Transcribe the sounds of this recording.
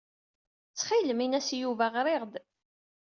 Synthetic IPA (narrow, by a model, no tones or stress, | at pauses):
t͡sːχiləminæsjuvæʁɾeʁd̪